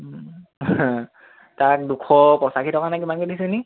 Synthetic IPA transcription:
tak̚dukʰɔpɔsakitʰɔkanak̬imankodis̬eni

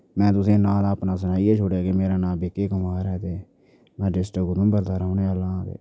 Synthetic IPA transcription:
mɛ̃ːt̪ʊsẽːnãːd̪aːpnãːs̬ənaːiːeːt͡ʃʰoːɽaːkemeːɾaːnãːbeːkeːkəmaːɾɛːt̪eː | mɛ̃ːɖɪsʈəkʊd̪ʊ̃ːbəɾd̪aːɾaːʊneːəlãːd̪ḛː

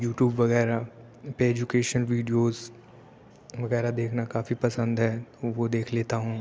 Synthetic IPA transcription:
juːʈjuːbʋɐɣɛːɾa | peeːd͡ʒʊkeːʃənʋiːɖijoːz | ʋɐɣɛːɾad̪eːkʰnakaːfipɐsə̃nd̪ɦɛːt̪oʋod̪eːkʰleːt̪aɦũː

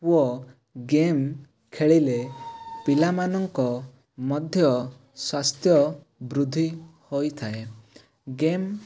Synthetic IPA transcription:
uɔ | ɡem | kʰeɭilepilamanɔŋkɔ | mɔd̪ʱjɔ | swast̪ʰjɔ | bɾud̪ʱihojt̪ʰae | ɡem

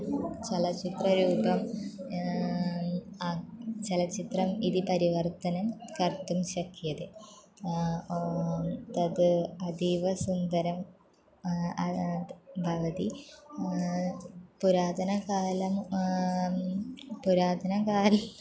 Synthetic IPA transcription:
t͡ɕelɐt͡ɕit̪rɐɾuːbɐm | t͡ɕelɐt͡ɕit̪rɐmiðipɐɾiʋɐrt̪ɐnɐmkɐrt̪umɕɐkʰːjɐðe | t̪ɐðɨɐd̪iʋɐsund̪ɐɾɐm | ɐ | bʱɐʋɐði | puɾaːd̪ʱɐnɐkaːlɐm | puɾaːd̪ʱɐnɐkaːlɐm

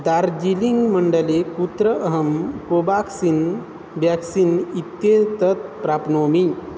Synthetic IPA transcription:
d̪aɾd͡ʑiliŋɡməɳɖəleput̪ɾəʔəɦəmkobaksin | bjaksinit̪jet̪ət̪̚pɾapnomi

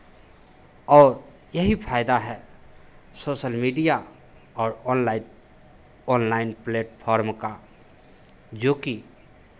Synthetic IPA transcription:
ɔːɾ | jɐɦipʰaːɪd̪aɦɛ | soːʃəlmiːɖija | ɔːɾɔnlaɪ | ɔːnlaːɪnpleːʈpʰɔːɾmka | d͡ʒoːki

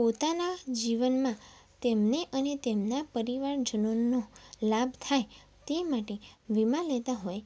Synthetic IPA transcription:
pot̪anad͡ʒiʋənmã | t̪emneʔənet̪emnapəɾiʋaɾd͡ʒənonolabʱt̪ʰaj | t̪emaʈeʋimãlet̪aɦoj

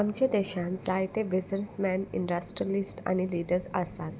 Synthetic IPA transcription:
amt͡ɕed̪eɕãnd͡zajt̪ebisnesmɛ̃nḭɳɖəsʈɾiəlisʈa̰ñiliːɖəɾsa̰saz

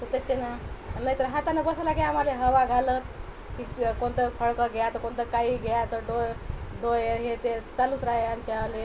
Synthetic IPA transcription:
t̪ət̪et͡ɕenaannait̪əɾɦat̪anebəsalaɡeam̤aleɦəʋaɡʱalət̪ | kiːkoɳt̪əfʰəɭkəɡʱejat̪əkoɳt̪əkaiɡʱejat̪əɖojɖojeɦet̪et͡saluːsɾaɦeamt͡ɕaale

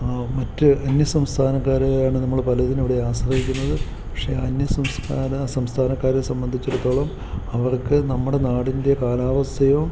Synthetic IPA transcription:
mɐtːɨɐnjɐsɐmst̪ʰaːnɐkːaːɾaːɳɨnɐmːɐɭpɐlɐðineʋiɽe̞aːsrɐɦikʲːunːɐðɨ | pɐkʂe̞ɐnjɐsɐmskaːnɐsɐmst̪ʰaːnɐkːaːɾsɐmbɐnd̪ʱit͡ɕːuɽɐt̪ːo̞ːɭɐm | ɐʋɐrkɨnɐmːuɽe̞naːɽinde̞kaːlaːʋɐst̪ʰɐjo

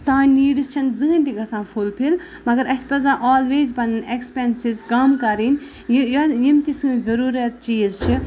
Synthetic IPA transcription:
sãːnʲniːɖist͡ʃʰɐnzɨːnʲt̪iɡɐsãːfʰulpʰil | mɐɡɐɾɐsʲpɐzãːʔoːlʋeːzbɐnnekspensizkɐmkɐɾin | jjjimt̪isɨ̃ːzɐɾuːɾɐt̪̚t͡ʃiːzt͡ʃʰi

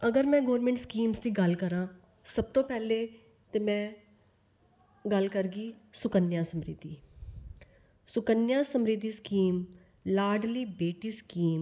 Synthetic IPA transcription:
əɡəɾmɛ̃ːɡɔːɾmɛ̃ɳʈskiːmsd̪iːɡəlkəɾãː | səb̚t̪õːpɛːleː | t̪eːmɛ̃ː | ɡəlkəɾɡiːsʊkənjãːsəmɾɪ̰d̪iː | sʊkənjãːsəmɾɪd̪iːskiːm | laːɾɖliːbeːʈiːskiːm

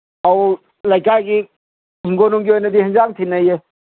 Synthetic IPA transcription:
aw | lɐjkajɡi | ɦiŋɡonuŋɡiɦojnɐd̪iɦɐŋd͡ʒaŋt̪ʰinɐje

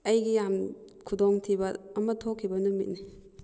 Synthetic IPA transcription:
ɐjɡijamkʰudoŋtʰibɐɐmɐtʰokʰːibɐnumit̚ni

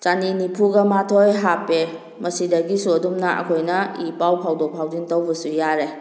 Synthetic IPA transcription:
t͡ʃaninipʰuɡamatʰojɦapːe | mɐsidɐɡisudumnaʔɐ̰kʰojnɐipawpʰawdɔk̚pʰawdintawbɐsujaɾe

